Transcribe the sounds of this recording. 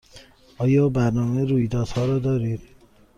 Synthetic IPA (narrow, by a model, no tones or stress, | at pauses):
ʔɒːjɒːbæɾnɒːmeɾuːjd̪ɒːd̪̥hɒːɾɒːd̪ɒːɾiːd̪̥